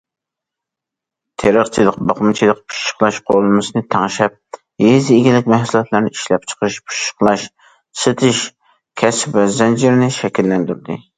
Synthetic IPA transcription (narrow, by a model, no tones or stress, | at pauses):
t̪ʰeɾəχt͡ʃʰilˠəqbɑχmɨt͡ʃʰilˠəqpʰu̥ʃə̥χlˠɑʃqʰolˠɨmɨsɨnɨt̪ʰɑŋʃɛp̚ | jezɪeɡʲilɪkʲmɛhsulˠɑt̪lˠɨɾnɨiʃlɛp̚t͡ʃʰə̥qʰɨʃpʰu̥ʃə̥χlˠɑʃ | sɨt̪ʰɪʃ | kʲʰɛspvɛzɛnd͡ʒɪɾnɪʃɛkʲilːɛnd̪yɾd̪ɪ̰